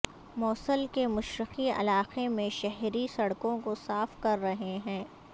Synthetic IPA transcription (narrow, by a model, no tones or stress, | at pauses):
mɔːsəlkemʊʃɾɪqiɐ̰laːqemẽʃɛɦɾisɐɽkõkosaːfkɐɾːɐɦeɦɛ̃ː